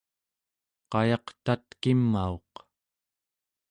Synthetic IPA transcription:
qɑjɑqt̪at̪kimːao̞̰q

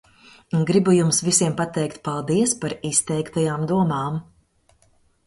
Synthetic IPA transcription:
ɡɾibujumsvisiɛmpat̪ɛjkt̪̚palˠd̪iɛspaɾist̪ɛjkt̪ajaːmd̪uɔmaːm

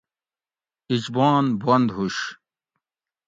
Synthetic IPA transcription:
id͡ʑbaːnbɐnd̪ɦuɕ

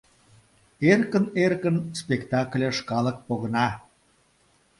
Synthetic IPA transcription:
erkənerkənspʲekt̪ɑklʲeʃkɑlək̚poɣənɑ

